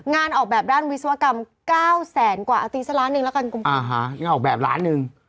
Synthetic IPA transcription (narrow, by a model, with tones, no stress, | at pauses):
ŋaː˧nʔɔː˨˩k̚ɓɛː˨˩p̚ɗaː˧˥˩nwi˧˥swa˧ka˧m | kaː˧˥˩wsɛː˨˩˦nkwaː˨˩ʔaː˧t̪i˧˦sa˦˧˥laː˨˦˥nɯ˧ŋla˨˦˥ka˧nkʊ˧˩ŋ͡mʔaː˨˧˩ɦa˦˧˨ʔɔ˨˩k̚ɓɛː˨˩p̚la̰ː˨˦˥nːɨ˧ŋ